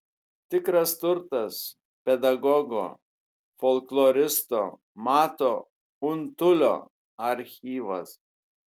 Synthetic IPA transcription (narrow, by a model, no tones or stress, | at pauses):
t̪ʲɪkɾɐst̪ʊɾt̪ɐs | pʲɛd̪ɐɡɔɡo̰ː | fɔlˠklˠɔɾʲɪst̪oː | mɑːt̪oː | ʊnt̪ʊlʲo̰ː | ɐɾʲxʲiːʋɐs